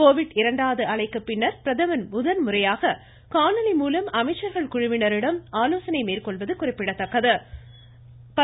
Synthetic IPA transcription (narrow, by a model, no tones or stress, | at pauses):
koːʋɪɽɪɾɐɳɖaːʋðɯɐɭɐɪkːɯpːɪnːɐɾpɪɾɐðɐʋɐnmʊðɐnmʊrɐjaːɣɐ | kaːnɐlɐɪmuːlɐmɐmɐɪt͡ʃːɐɾɣɐɭkʊɻʊmɪnɐɾɪɽɐmaːloːsɐnɐɪmeːɾkɔɭʋɐðɯkʊrɪpːɪɽɐt̪ːɐkːɐðɯ | pɐ